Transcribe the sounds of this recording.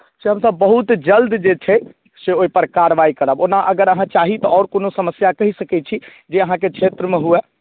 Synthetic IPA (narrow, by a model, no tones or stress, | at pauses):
seɦəmsəbːəɦut̪d͡ʒəld̪d͡ʒet͡ʃʰɛ | seoɦipəɾkaɾʋaikəɾəbonaʔəɡəɾəɦãt͡ʃaːɦit̪ɔɔːɾkoːnosəməsjakɐɦisəkɛt͡ʃʰi | d͡ʒeəɦãkekʰʃʰeːt̪ɾəmẽɦue